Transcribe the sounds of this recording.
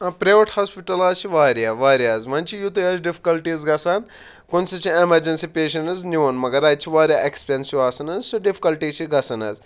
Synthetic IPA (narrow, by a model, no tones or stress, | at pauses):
ɐpɾeʋɐʈhaːspiʈɐlaːzt͡ʃʰiʋaːɾjaːʋaːɾijaːzmɐnt͡ʃʰijut̪ɐjaːzɖipʰi̥kɐlʈiːzɡɐsaːn | kunsit͡ʃʰiemɐɾd͡ʒɐnsipeːʃɐnɐzniʋɐnmɐɡɐɾɐːt͡ʃʰiʋaːɾʲjaːʔekspensjuaːsɐnɐzsuɖipʰi̥kɐlʈiːt͡ʃʰiɡɐsɐnɐ̰z